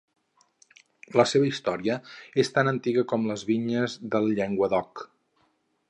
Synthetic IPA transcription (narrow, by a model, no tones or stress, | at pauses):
ləseβəist̪ɔɾiəest̪anənt̪iɣəkɔmləzβiɲəzðəlˠʎɛŋɡwəd̪ɔk